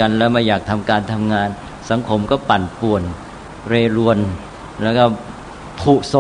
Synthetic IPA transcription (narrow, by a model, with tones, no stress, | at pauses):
a˧nlɛː˦˥wmaː˧jaː˨˩k̚t̪ʰa˧mkaː˧nt̪ʰa˧mŋaː˧n | sa˩˦ŋkʰo˧mkɔː˥˩pa˨˩npu˨˩ən | ɾeː˧ɾu˧ən | lɛː˦˥kɔː˥˩ | pʰuː˨˩so˨˩